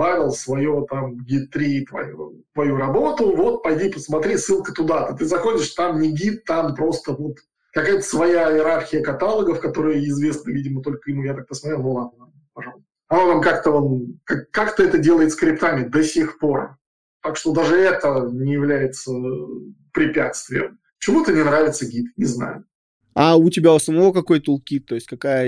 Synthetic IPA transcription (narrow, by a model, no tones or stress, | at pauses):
bavʲɪlˠsvɐjot̪amɡʲit̪ːɾʲit̪vɐ̰jo̰t̪vɐjuɾɐbo̞t̪ʊvo̞t̪̚pɐjdʲipəsmɐt̪ɾʲisːɨlˠkət̪ʊd̪at̪ɨt̪̬ɨzɐxo̞dʲɪʂt̪amnʲɪɡʲit̪ːampɾo̞st̪əvot̪ | kɐkajət̪ə̥svɐjaɪjɪɾarxʲɪjəkɐt̪alˠəɡəfkɐt̪o̞ɾɨjəɪzvʲe̞snəvʲidʲɪmət̪o̞lʲkənujat̪ak̚pəsmɐt̪ɾʲelnʊlˠad̪nə | pɐʐɑlˠəst̪əɐnovamkakt̪əomkakːakt̪əɛt̪ədʲelˠəjɪt̪sə̥kɾʲɪpt̪amʲɪd̪ɐsʲe̞xpo̞r | t̪akʂt̪o̞d̪aʐɨɛt̪ənʲɪjɪvlʲæjɪt̪sə | pɾʲɪpʲa̰t̪st̪vʲɪjə̰m | t͡ɕɪvot̪ənʲɪnɾavʲɪt̪səɡʲit̪nʲɪzna̰jʊ | aʊtʲɪbʲaʊsəmɐvokɐko̞jt̪əlˠkʲit̪ːo̞jɪsʲtʲkɐkajə